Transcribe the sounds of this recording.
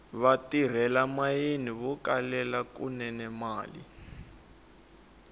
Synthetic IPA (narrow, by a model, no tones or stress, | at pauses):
βatir̤ɛlamajeniβukalɛlakṵnɛnɛmaːlḭ